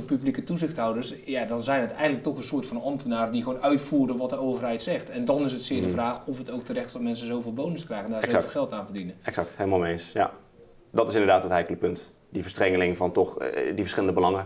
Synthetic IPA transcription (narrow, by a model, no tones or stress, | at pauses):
əpyblikətuzɪxthawdərsjadɔnzɛjnɦətɛjədlək̚tɔxənsʊːtfɑnɑmtənaːrədiɣoːnœɥtfuːrənʋɔt̚dəowvərɦɛjtsɛxtɛndɔnɪs̬ətsɪːdvraːxɔfɦətowk̚tərɛxtdɔtmɛnsəzowvɪːlˠbownɪskrɛjɣəndaːfxɛlˠtaːnvədinəɛksɑk̚thelmalˠmeːnsja̰ | dɔtɪsɪndəɹdaːtɦətɦɛjkələkpɵnt | divəɹstrɛŋəlɪŋvɔntɔxdifəɹsχɪləndəbəlɑŋə